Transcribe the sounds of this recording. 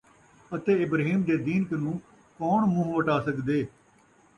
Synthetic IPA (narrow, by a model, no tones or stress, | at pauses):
ət̪eːɪbɾːɦiːmd̪eːd̪iːnknũː | kɔːɳmʊɦʋəʈaːsəkd̪eː